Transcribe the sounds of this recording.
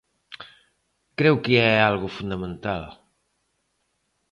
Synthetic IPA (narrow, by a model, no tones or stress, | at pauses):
kɾewkeɛalɣʊfund̪amẽnt̪al